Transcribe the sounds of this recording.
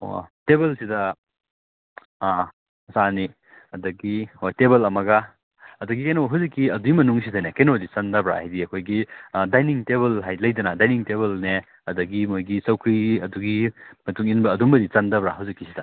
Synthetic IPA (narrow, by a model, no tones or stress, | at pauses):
o̰tebɐlsidɐ | sani | ɐdɐɡihojtebɐlɐmɐɡɐ | ɐdɐɡikejnoɦawzikːiɐduɡimɐnuŋsidɐnekenodit͡ʃɐndɐbɾa̰hajdiɐkʰojɡidajniŋteβɐlɦajlɐjdɐnɐdajniŋteβɐlne | ɐdɐɡimojɡisɐwkʰɾiɐduɡimɐtuŋinbɐːdumbɐdit͡ʃandɐbɾahɦɐwzikːisidɐ